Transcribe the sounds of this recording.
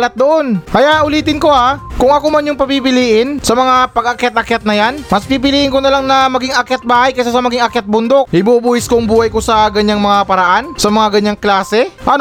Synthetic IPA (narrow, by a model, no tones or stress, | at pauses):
lɐt̪̚d̪oʔonkɐjaʔʊliːt̪ɪnko̞akʊŋɐkomɐnjʊŋpɐpipɪliːʔɪnsɐmɐŋapɐɡɐkjat̪̚ʔɐkjat̪̚nɐjanmɐspiːp̬ɪliːʔɪŋkonɐlaŋnɐmɐɡiŋɐkjat̪̚baːhɐjkɐs̬asɐmɐɡɪŋɐkjat̪̚bʊnd̪ok̚ʔɪbubuːʔɪskoŋbuːhɐjkosɐɡɐɲːaŋmɐŋapɐɾɐʔansɐmɐŋaɡɐɲaŋklaːsɛʔɐn